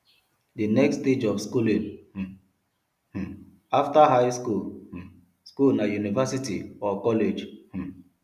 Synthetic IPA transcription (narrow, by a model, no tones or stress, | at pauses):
dinɛksted͡ʒɔfskulĩn | aftaɦaɪskul | skulnajunivasitḭɔkɔled͡ʒ